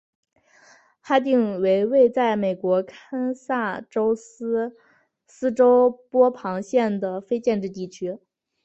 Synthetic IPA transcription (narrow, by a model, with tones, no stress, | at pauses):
xa˥t̪i˥˧ŋwe˧˥ɪwe˥˧ɪt͡sa˥˩ɪme˨˩ɪkwɔ˧˥kʰa˥nsa˥˩ʈ͡ʂo˥ʊsɹ̩˥ | sɹ̩˥ʈ͡ʂo˥ʊpwɔ˥pʰɑ˧˥ŋɕjɛ˥˩nd̪ə˩fe˥ɪt͡ɕjɛ˥˧nʈ͡ʂɻ̩˥˧t̪i˥˩t͡ɕʰy˥